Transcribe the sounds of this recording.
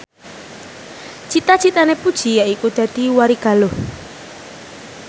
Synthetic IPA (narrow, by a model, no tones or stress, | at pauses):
t͡ʃit̪at͡ʃit̪anepud̥ʒ̥ijaʔikud̪̥a̤d̪̥iwaɾiɡ̥a̤loh